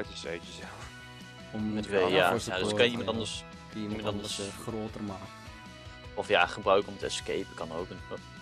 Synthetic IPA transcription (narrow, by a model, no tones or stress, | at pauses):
təsœɥtəzɛlˠf | ɔmətʋejaadskɑnjəimɑntɑndəɹs | imɑntɑndəɹsχroːtərmaːkə | ɔfja̰ːχəbrœɥkəɔmtəɛskejpəkɑnowkən